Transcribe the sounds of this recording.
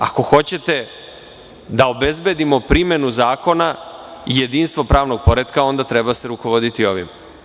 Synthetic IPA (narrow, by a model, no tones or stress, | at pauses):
a̰ko̞xo̞t͡ɕe̞t̪e̞ | d̪ao̞be̞zbe̞d̪imo̞pɾime̞nuzaːko̞naije̞d̪iːnst̪vʋo̞pɾaːʋno̞ɡ̚po̞ɾed̪kao̞nd̪at̪ɾe̞base̞ɾuko̞ʋo̞d̪it̪io̞ʋḭm